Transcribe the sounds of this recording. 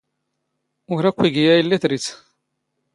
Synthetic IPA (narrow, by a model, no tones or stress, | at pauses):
ʊɾækʷːiɡijæjəlːiθɾit͡s